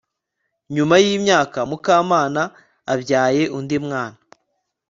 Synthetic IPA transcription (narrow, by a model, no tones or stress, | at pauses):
ɲumajiːmɲaːkamukaːmaːnaː | bɟjaːje̞ʔundimŋaːna